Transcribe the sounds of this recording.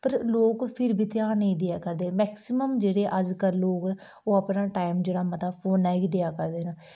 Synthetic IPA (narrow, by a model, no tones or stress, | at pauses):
pəɾloːkpʰɪɾbiːt̪ɪjaːnəĩːd̪ejaːkəɾd̪eːmɛːksɪməmd͡ʒeːɽeːʔəd͡ʒkəɾloːkː | oːəpnaːʈaːɪmd͡ʒeːɽaːmət̪aːpʰoːnɛːɡid̪ejaːkəɾd̪eːnaː